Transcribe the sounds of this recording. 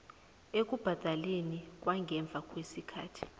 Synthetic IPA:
ek̬ʼub̥ʱad̥ʱalenik̬ʼwaŋɡʱɛɱb̪vʱakʼwesikʰa̰ːtʰi̥

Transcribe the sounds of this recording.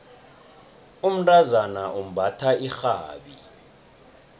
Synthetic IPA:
um̩dʼazanaʔum̩bʱatʰaixaːɓi

